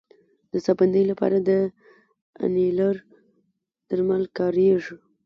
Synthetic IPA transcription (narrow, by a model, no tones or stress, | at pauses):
d̪̥əsaband̪əjlapɑ̰ɾad̪ə | a̰nelaɾ | d̪̥aɾmalkɑɾeʐ